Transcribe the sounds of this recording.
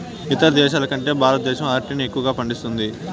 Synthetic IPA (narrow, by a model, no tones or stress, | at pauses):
it̪ɐɾɐd̪ɛːʃaːlɐkɐɳʈe̞ːbʱaːɾɐt̪̚d̪ɛːʃɐmaːɾʈiːnie̞kːuʋɐɡaːpɐɳɖist̪und̪i